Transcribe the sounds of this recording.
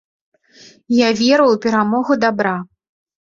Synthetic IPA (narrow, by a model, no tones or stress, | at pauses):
javʲɛɾɨwpʲɛɾamɔɣud̪abɾa